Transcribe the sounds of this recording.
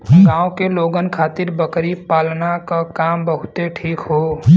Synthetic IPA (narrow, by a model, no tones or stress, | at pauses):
ɡãːõkeloːɡənkʰaːt̪ɪɾbəkɾipaːlnakakaːmbəɦʊt̪eʈʰiːkɦoː